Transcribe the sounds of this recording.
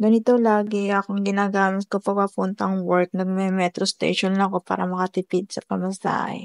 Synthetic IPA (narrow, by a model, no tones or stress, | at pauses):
ɡɐnɪt̪olaːɡɛɐkoŋɡɪnaːɡaːmɪt̪kopɐpapunt̪ɐŋwɛɾk̚nɐɡ̚mɛmɛt̪ɾost̪ḛjʃonlɐko̞pa̰ːɾɐmɐkɐt̪ɪpɪd̪̚sɐpɐmɐsa̰hɛ̰